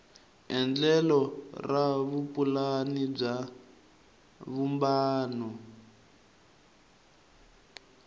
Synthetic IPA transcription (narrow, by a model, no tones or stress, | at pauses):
ɛnd͡ɮɛlɔraβupʼulanib͡ʐa | βumbaːnɔ